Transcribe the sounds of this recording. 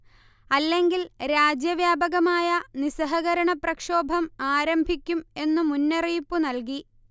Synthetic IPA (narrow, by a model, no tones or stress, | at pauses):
ɐlːe̞ŋɡilɾaːd͡ʑjɐʋjaːbɐɣɐmaːjɐnisɐɦɐɣɐɾɐɳɐprɐkʂoːbʱɐmaːɾɐmbʱikʲːume̞nːumunːeriːpːunɐlki